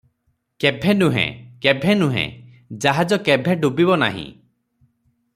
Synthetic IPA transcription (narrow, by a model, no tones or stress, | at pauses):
kebʱenũɦḛ̃kebʱenũɦḛ̃ | d͡ʒaɦad͡ʒɔkebʱeɖubibɔna̰ɦḭ̃